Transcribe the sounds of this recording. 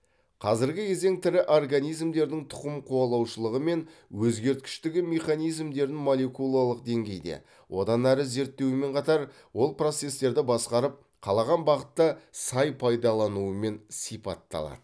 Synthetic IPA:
qʰɑzɪɾɡʲɪje̞ze̞ŋt̪ʰɪɾɪʔo̞rɡanijzmd̪e̞ɾd̪ɪŋt̪ʰʊ̥qəmqʰuɑlˠɑwʃəlˠəʁəme̞nwɵzɡʲe̞ɾt̪̚kʲɪ̥ʃt̪ɪɡʲɪme̞χanijzmd̪e̞ɾɪnmo̞lʲˠe̞kulˠalˠəq̚d̪e̞ŋɡʲe̞jd̪e̞̰ | wʔo̞d̪ɑnæɾɪze̞ɾt̪ːe̞wɪme̞ɴqʰɑt̪ɑɾ | wo̞lˠpro̞t̪se̞st̪e̞ɾd̪ɪbɑsqɑɾəp̚ | qʰɑlˠɑʁɑnbɑʁət̪ːɑsɑjpʰɑjd̪ɑlˠɑnuəme̞nsijpɑ̰t̪ːɑ̰lˠɑ̰d̪ə

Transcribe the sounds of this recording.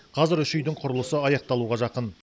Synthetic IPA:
qʰɑzɪɾʏʃʏjd̪ɪɴqʰʊɾəlˠəsəɑjɑq̚t̪ɑlˠuʁɑʒɑqən

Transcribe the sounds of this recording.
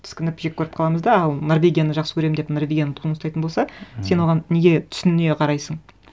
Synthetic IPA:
t̪ʰɪ̥skʲɪnɪpʒekʲʰːɵɾɪp̚qʰɑlˠɑməzd̪ɑɑlˠnoɾvʲe̞ɡʲijanəʒɑqsə̥kʰɵɾemnd̪epnorvʲeɡʲijanət̪ʰunəsɑjt̪ənbosɑse̞nwo̞ʁɑnne̞ɡʲe̞t̪ʰʏ̥sʏnne̞qʰɑɾɑjsəɴ

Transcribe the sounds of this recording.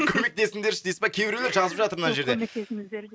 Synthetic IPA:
kʲʰɵme̞k̚t̪e̞sɪŋd̪esd̪ejsɪzbɑkʲʰe̞bɪɾeleɾʒɑzəpʒɑt̪əɾmənɑʒe̞ɾd̪emekt̪esɪmɪz

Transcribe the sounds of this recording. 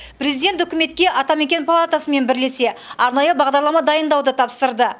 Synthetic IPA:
pɾʲe̞zid̪ʲe̞nt̪ʏkʲɪme̞t̪kʲe̞ʔɑt̪ɑme̞kʲe̞npʰalˠat̪asəme̞nbɪɾle̞se̞ɑɾnɑjəbɑʁd̪ɑɾlˠɑmɑd̪ɑjənd̪ɑwd̪ət̪ʰɑpsəɾd̪ə

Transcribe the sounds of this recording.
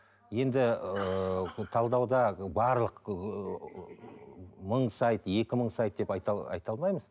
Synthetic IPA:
je̞nd̪ɪət̪ʰɑlˠd̪ɑwd̪ɑbɑɾlˠəq | məɴsɑjt̪je̞kʲɪməɴsɑjt̪d̪e̞pɑjt̪ɑɑ̰jt̪ɑlˠmɑjməz

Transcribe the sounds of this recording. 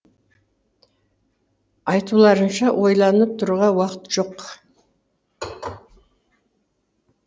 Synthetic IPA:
ɑjt̪ulˠɑɾənʃɑwʔo̞jlˠɑnəp̚t̪ʰʊɾʁɑwɑqət̪ʒ̥o̞q

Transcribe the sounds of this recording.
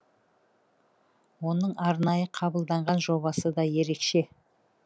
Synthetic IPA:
wo̞nəɴɑɾnɑjəqʰɑbəlˠd̪ɑɴʁɑnʒo̞βɑsəd̪ɑje̞ɾe̞kʃe̞

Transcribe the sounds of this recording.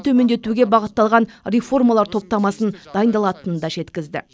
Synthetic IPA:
t̪ʰɵme̞nd̪e̞t̪uɡʲe̞bɑʁət̪ːɑlˠʁɑnrʲe̞fo̞rmɑlˠɑɾt̪ʰo̞p̚t̪ɑmɑsənd̪ɑjənd̪ɑlˠɑt̪ənəd̪ɑʒe̞t̪kʲɪzd̪ɪ̰

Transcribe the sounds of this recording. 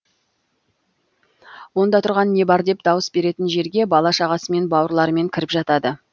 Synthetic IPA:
wo̞nd̪ɑt̪ʰʊɾʁɑnːe̞bɑɾd̪e̞p̚d̪ɑwəsbe̞ɾe̞t̪ɪnʒe̞ɾɡʲe̞bɑlˠɑʃɑʁɑsəme̞nbɑwəɾlˠɑɾəme̞ŋkʲʰɪɾɪpʒɑt̪ɑd̪ə

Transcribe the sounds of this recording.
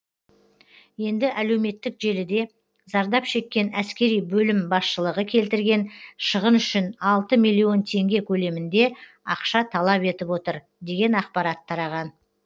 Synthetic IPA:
je̞nd̪ɪʔæle̞wme̞t̪ːɪkʒe̞lɪd̪e̞ | zɑɾd̪ɑpʃe̞kʲːe̞næskʲe̞ɾijbɵlɪmbɑsʃəlˠəʁəkʲʰe̞lt̪ɪɾɡʲe̞nʃəʁənʏʃɪnɑlˠt̪əmijlʲːio̞nt̪ʰe̞ŋɡʲe̞kʲʰɵle̞mɪnd̪e̞ | ɑ̰qʃɑt̪ʰɑlˠɑpe̞t̪ɪpwo̞t̪əɾ | d̪e̞ɡʲe̞nɑqpɑɾɑt̪ʰːɑɾɑʁɑn

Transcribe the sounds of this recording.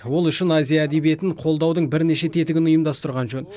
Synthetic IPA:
wo̞lˠʏʃɪnazijaːd̪e̞bie̞t̪ɪɴqʰo̞lˠd̪ɑwd̪əɴbɪɾne̞ʃe̞t̪ʰe̞t̪ɪɡʲɪnʊjəmd̪ɑst̪əɾʁɑnʒɵn

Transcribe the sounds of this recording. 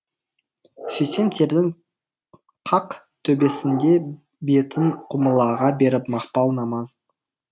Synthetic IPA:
ʃeʃe̞mt̪ʰe̞ɾd̪ɪŋ | qʰɑq | t̪ʰɵbe̞sɪnd̪e̞ | be̞t̪ʰɪŋqʰʊməlˠɑʁɑbe̞ɾɪpmɑqpɑlˠnɑmɑz

